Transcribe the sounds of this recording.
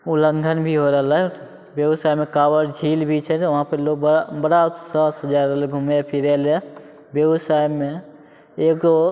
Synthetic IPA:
uləŋɡʱənbʱiɦoɾəɦlɛ | bebsajmekawəɾd͡ʒʱilbʱit͡ʃʰɛt̪ʋɦãpəɾloɡ̚bəbəɽat̪sət̪əd͡ʒaɾːəɦlɡʱumepʰiɾɛle | bjebsajːe | ekd̪o

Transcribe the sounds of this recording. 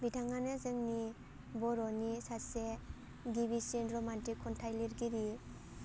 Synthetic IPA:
bidʰaŋanezɯŋni | bɔɾɔnisase | ɡiβisinɾɔmantikʰːɔntʰajliɾɡiɾi

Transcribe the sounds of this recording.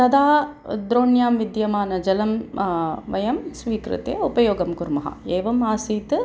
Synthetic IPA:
t̪ɐd̪aːd̪ɾoːɳjaːmʋid̪jɐmaːnɐd͡ʒɐlɐm | ʋɐjɐmsʋiːkɾɨ̰t̪ḛupɐjoːɡɐmkuɾmɐɦɐ̰eːʋɐmaːsiːt̪

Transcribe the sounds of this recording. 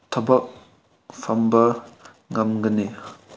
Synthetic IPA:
tʰɐbɐk̚ | fʰambɐ | ŋamɡɐni

